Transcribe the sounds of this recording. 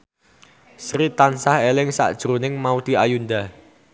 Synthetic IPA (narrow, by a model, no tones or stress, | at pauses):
sɾit̪ansahelɪŋsa̰ʔd̥ʒ̥ɾonɪŋmaud̪̥i̤ajund̪a